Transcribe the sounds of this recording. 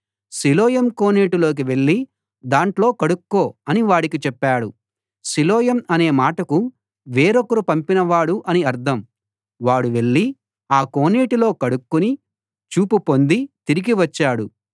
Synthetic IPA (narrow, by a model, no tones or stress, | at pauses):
siloːjɐmkoːneːʈilo̞ːk̬iʋe̞ɭːi | d̪aːɳʈlo̞ːkɐɽukːo̞ːɐniʋaːɽikit͡ʃɛpːaːɽu | silɔːjɐmɐne̞ːmaːʈɐku | ʋeːɾokɐɾupɐmpinɐʋaːɽuʔɐniɐɾd̪ʱɐm | ʋaːɽuʋe̞ɭːi | aːkoːneːʈilo̞ːkɐɽukːuni | t͡ʃuːpupo̞nd̪it̪iɾiɡiʋɐt͡ʃːaːɽu